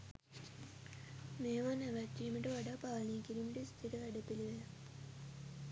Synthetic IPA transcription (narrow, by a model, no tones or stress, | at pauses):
meːʋaːnæʋætːiːməʈəʋaɖaːpaːliŋkiɾiːməʈəist̪iɾəʋæɖəpiliʋeja